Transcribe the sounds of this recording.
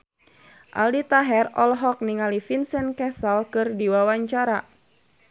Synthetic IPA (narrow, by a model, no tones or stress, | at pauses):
ʔa̰ldit̪aɦɛrɔlɦɔk̚niŋalifinsɛnkɛsalkɨrdiwawaɲt͡ʃaɾa